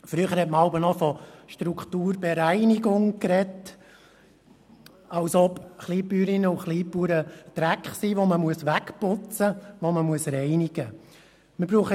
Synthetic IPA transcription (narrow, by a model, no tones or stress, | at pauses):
fɾyəχəɾhɛtməɑʊbənɔfɔʃtɾukχtuːɾbeɾæɪniɡʊŋkɾɛt | ɑwsɔpχliːpːyːɾinəuχliːpːuːɾət̪ɾækχsiːʋoməmuəsʋækpʊt͡səʋoməmuəsɾɛɪnɪɡ̥ə | məbɾuːχə